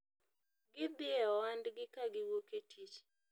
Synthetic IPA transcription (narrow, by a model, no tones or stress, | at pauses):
ɡɪd̪ɪɛɔwandɡɪkaɡɪwoketʰit͡ʃ